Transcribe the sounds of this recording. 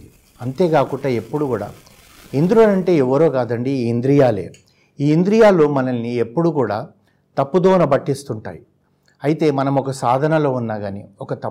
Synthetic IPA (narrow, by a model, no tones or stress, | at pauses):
ɐnt̪e̞ːɡaːkuʈɐːe̞pːuɽuɡuːɽa̰ː | ind̪ɾoːlɐɳʈe̞ːɛʋːɐɾo̞ːɡaːd̪ɐɳɖiːnd̪ɾijaːlḛː | iːind̪ɾijaːloːmɐnɐlːiepːuɽuɡuːɽaː | t̪ɐpːud̪oːnɐbɐʈːist̪uɳʈa̰ːji | ɐjit̪e̞ːmɐnɐmɔkɐsaːd̪ʱɐnɐlo̞ːunːaːɡaːniɔkɐt̪ɐ